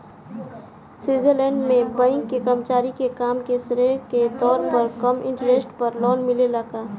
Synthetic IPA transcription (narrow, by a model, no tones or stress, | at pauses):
swiːzelɛ̃ːɳɖmẽbəɪ̃ŋkːikɐmt͡ʃaːɾikekaːmkesɾeket̪ɔːɾpɐɾkɐmɪ̃ɳʈəɾeːsʈpɐɾlɔːnmɪlelaɡaː